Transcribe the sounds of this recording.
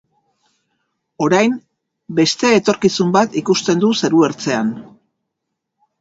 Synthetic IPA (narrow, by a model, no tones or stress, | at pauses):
o̞ɾajm | be̞st̪e̞ːt̪o̞ɾkisumbat̪ikust̪e̞nd̪use̞ɾue̞ɾt͡se̞an